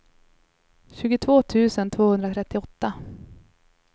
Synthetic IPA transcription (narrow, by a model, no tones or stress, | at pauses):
ɕʉ̟ːɡʊt̪ʰvoːt̪ʰʉ̟ːsənt̪ʰvoːhɵnd̪ɾat̪ʰɾɛt̪ːɪɔt̪ːa